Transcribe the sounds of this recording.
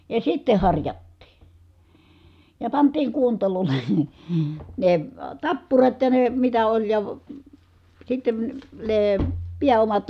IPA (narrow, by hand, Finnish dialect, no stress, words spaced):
jɑ sitːe hɑrjɑtːiː jɑ pɑntˑiːŋ kuontɑlolˑe̥ ne tɑpːurɑt jɑ ne mitæ olʲ jɑ sitːen neː piæomɑt